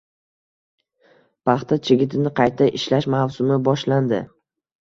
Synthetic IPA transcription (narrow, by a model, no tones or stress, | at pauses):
pʰɑχt̪ʰat͡ʃʰɪɡʲɪt̪ʰɪnɪqʰɑjt̪ʰaʔɪʃlaʃmawsʊmɪbɒʃland̪ɪ